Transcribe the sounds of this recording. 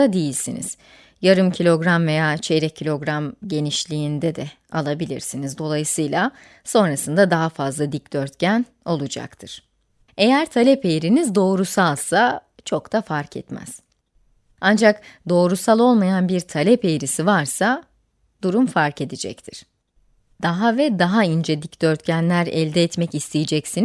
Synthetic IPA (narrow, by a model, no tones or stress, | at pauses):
ad̪ejilʲsinḭz̥ | jaɾɯmcʰilʲo̞ɡɾamve̞jaːt͡ʃʰe̞ɾɛcʰilʲo̞ɡɾamɟe̞niʃlʲiːind̪ɛd̪ɛ | alˠabilʲḭɾsinizd̪o̞lˠajɯsɯjlˠa | so̞nɾasɯnd̪ad̪aɦafazlˠad̪icd̪̥øɾt̪cæn | o̞lˠud͡ʒa̰kt̪ʰɯɾ̥ | e̞jæɾt̪ʰalʲɛpe̞jɾinizd̪o̞ːɾusalˠsa | t͡ʃʰo̞kt̪ʰafaɾkʰɛ̰t̪mæ̰z̥ | and͡ʒakd̪o̞ːɾusalˠo̞lˠmajanbiɾt̪ʰalʲɛpe̞jɾisivaɾsa | d̪uɾumfaɾke̞d̪id͡ʒɛ̰ct̪ʰiɾ̥ | d̪̥aɦavɛd̪aɦaind͡ʒed̪icd̪̥ø̞ɾt̪cʰænlʲæɾɛ̰lʲd̪ɛːt̪mɛcist̪ʰejid͡ʒɛcsin